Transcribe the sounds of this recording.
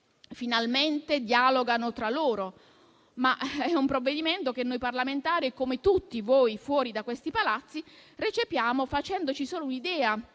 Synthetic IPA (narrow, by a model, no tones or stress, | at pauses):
finalment̪ed̪jaloɡanot̪ɾalːoːɾo | maʔɛumpɾovːed̪iment̪ok̟enːojparlament̪aːɾiɛkːomet̪ut̪ːivoːjfwɔːɾid̪akwest̪ipalat̪sːiret͡ʃepjaːmofat͡ʃɛnd̪ot͡ʃisoːlounid̪ɛːa